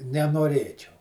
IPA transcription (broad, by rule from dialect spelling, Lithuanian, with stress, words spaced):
nʲɛnoːˈrʲeːt͡ʃʲɛʊ